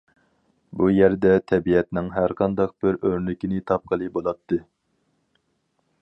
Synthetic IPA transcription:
bujɛɾd̪ɛt̪ʰɛbiɛt̪nɪŋɦæɾqʰɑnd̪ɑq̚b̥ɪɾøɾnɪkʲinɪt̪ʰɑp̚qʰəlˠɨbolˠɑp̚t̪ʰːɨ

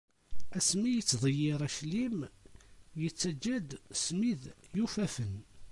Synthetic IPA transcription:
æsmijət͡sːðˤəjːɪɾˤæʃlim | jət͡sːæd͡ʒːæd̪smiðjufæfən

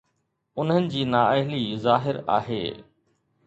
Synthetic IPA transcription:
ʊn̤ənɪ̆d͡ʑiːnaːəɦlizaːɦɪɾa̰ːɦḛː

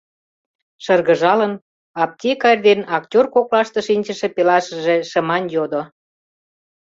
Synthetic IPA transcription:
ʃərɣə̆ʒɑlən | ɑp̚t̪ʲekɑrʲd̪enɑktʲorkoklɑʃt̪ə̆ʃinʲt͡ɕə̆ʃĕpelɑʃə̆ʒeʃəmɑnjod̪o

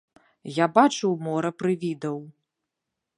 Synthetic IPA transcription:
jabat͡ʂuwmɔɾɐpɾɨvʲid̪ɐw

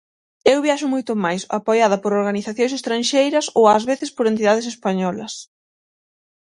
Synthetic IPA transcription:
ewβjaʃʊmojt̪ʊmajsa̰pojað̞ɐpoɾoɾɣaniθaθjõŋsest̪ɾanʃejɾɐsowɐzβeθespoɾent̪iðað̞esespaɲɔlɐs

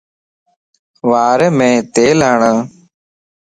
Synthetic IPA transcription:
ʋaːɾemẽːt̪eːlaːɳə̃ː

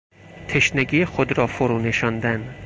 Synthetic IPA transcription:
t̪ʰeʃneɡiːjexod̪ɾɒːfoɾuːne̞ʃɒnd̪æn

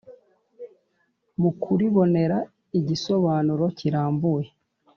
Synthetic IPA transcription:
mukʰuɾiβo̞ne̞ɾa | iɟiso̞βaːnuɾo̞ciɾaːmbuje

